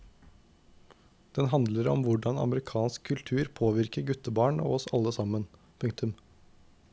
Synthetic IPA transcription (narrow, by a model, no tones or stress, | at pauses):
d̪̥ɛnɦɑnd̪ləɾɔ̰mʋʊɖɑnɑ̰məɾɪkʰɑːnskʰːʉlt̪ʰʉːɾpʰoːʋɪɾkəɾɡʉt̪əbɑːɳo̰ːɔsɑlːəsɑmːən | pʰʉŋkt̪ʉm